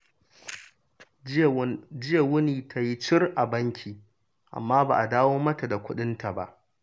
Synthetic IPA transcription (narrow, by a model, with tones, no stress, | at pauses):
d͡ʒɪ˦je˨wʊ˦niː˨tʰa˦ji˦t͡ʃɪ˦rʔa˨bɐ˦ŋkʲʰiː˨ | ʔa̰˨mːaː˦ba̰˨ʔa˨daː˦woː˦mɐ˦ta˨da˨kʷʊ˦ɗɪ˦nta˨ba̰˦ʔ